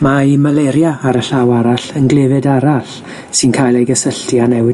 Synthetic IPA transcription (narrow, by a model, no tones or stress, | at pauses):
maimalɛɾjaːɾəɬawaɾaɬənɡlˠɛvɨdaɾaɬ | sɨnkʰajlˠejɡəsəɬtʰianɛwɪ